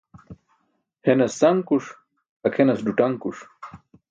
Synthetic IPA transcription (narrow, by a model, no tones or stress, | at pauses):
henɐsːɐŋkuʂ | ɐkʰenɐsɖuʈɐŋkuʂ